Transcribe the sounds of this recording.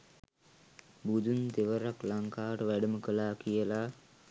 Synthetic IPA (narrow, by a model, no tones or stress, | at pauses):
bud̪unt̪eʋəɾaklaŋkaːʋəʈəʋæɖəməkəlaːkijəla